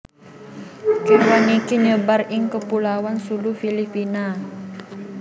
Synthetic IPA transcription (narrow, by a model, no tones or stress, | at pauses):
kiwanikiɲəbarɪŋkəpulawansulufilipina